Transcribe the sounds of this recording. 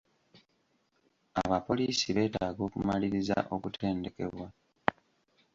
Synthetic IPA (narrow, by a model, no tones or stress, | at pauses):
a̰βapo̞liːsiβe̞ːtaːɡo̞ːkumaliɾiza̰ʔo̞kutʰe̞ːnde̞ke̞̰βwa